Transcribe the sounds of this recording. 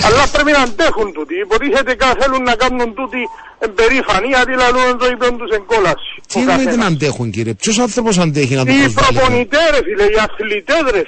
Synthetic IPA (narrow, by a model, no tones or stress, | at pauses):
alːapːɾeminant̪ɛxunt̪ut̪ipot̪isɛt̪ekaθelunːakanːunt̪ut̪i | empeɾifaniat̪ilaluenroipont̪useŋkolasikait̪eant̪̬ɛxuŋkiɾep̚t͡ʃos̬aθepɔs̬ant̪̬ɛxinat̪izpɾolponit̪ɛɾesilejaslit̪ɛðɾes